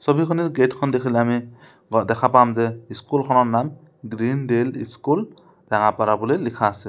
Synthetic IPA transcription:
sɔbikʰɔniɾɡeʈkʰɔnd̪ekʰileami | d̪ɛkʰapamzeiskulkʰɔnɔɹnam | ɡɾinɖelḭskul | ɾaŋapaɾabulelikʰaːsi

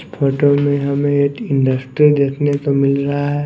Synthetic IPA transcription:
spʰoːʈomẽɦɐmẽet̪ɪ̃ɳɖəsʈɾid̪eːkʰnet̪omɪlɾɐɦaɦɛ

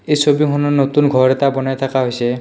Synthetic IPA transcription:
ejsobikʰɔnɔnot̪unɡʱɔɹɛt̪abɔnajt̪ʰakaɦojsɛ

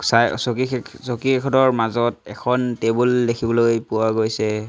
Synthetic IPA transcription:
saj̰sokisokiɛkʰɔdɔɹmazɔt̚ɛkʰɔntebuldekʰibɔlojpuwaɡojsɛ

